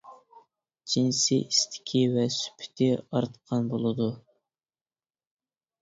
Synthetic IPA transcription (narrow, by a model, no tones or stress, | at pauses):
d͡ʒinsɪʔist̪ʰɪ̥kʲʰivɛsy̥pʰɪ̥t̪ʰɪɑɾt̪qʰɑnbolˠɨd̪u